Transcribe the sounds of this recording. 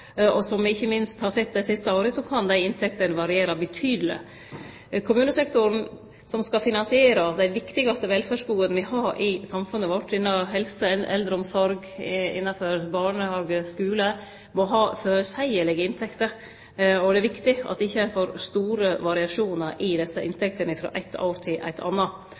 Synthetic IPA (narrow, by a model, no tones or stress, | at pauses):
ɔsɔmʋɪɪçːəmɪnst̪hɑɾsɛt̪̚ːd̪æɪsɪst̪əoːɾəsɔkʰɑnd̪æɪɪnt̪ʰɛkt̪ənʋɑɾɪeːɾɑbət̪ʰyːd̪əlɪ̰ | kʰʊmʉːnəsɛkt̪ʊɾn | sɔmskɑfɪnɑnsɪeːɾɑd̪æɪʋɪkt̪ɪɡɑst̪əʋɛlfæʂɡuːənʋɪhɑɾɪsɑmfʉnːəʋɔʈːɪnːɑɦɛlsəɛnʔɛ̰ld̪ɾəɔmsɔɾɡ | ɪ̰nːɑføɾbɑɳəhɑːɡəskʉːlə | mɔɦɑːføːɾəsæɪəɭɪɡəɪnt̪ʰɛkt̪əɾ | ɔd̪ɛæɾʋɪkt̪ɪɑ̰t̪ʋɪɪçːəæɪfoːɾst̪uːɾəʋɑɾɪɑʂuːnəɾʔɪd̪ɛsːəʔɪnt̪ʰɛk̚t̪ənəɪfɾo̰ːʔæ̰ɪt̪ʰɑ̰ːɾt̪ʰɪlʔæ̰ɪt̪ʰɑ̰nːɑ